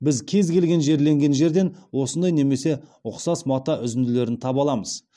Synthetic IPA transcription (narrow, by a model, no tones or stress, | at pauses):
bɪzkʲʰe̞zɡʲe̞lɡʲe̞nʒe̞ɾle̞ŋɡʲe̞nʒe̞ɾd̪e̞nwo̞sənd̪ɑjne̞me̞se̞ʊqsɑsmɑt̪ɑʔʏzɪnd̪ɪle̞ɾɪnt̪ʰɑbɑlˠɑməz̥